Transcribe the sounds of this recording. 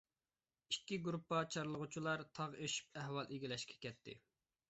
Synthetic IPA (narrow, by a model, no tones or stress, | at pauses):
ikʲːiɡɾupːɑt͡ʃʰɑɾlˠəʁut͡ʃʰilˠɑɾt̪ʰɑʁeʃi̥p̚æhwɑlˠʔiɡʲilɛʃkʲʰɛ̥kʲɛt̪ʰːɪ̰